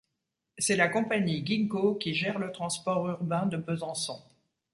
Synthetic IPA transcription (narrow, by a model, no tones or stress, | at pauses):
sɛlakɔ̃paɲiɡʲiŋɡokʲiʒɛʁlət̪χɑ̃spɔʁyʁbɛ̃d̪əpøzɑ̃sɔ̃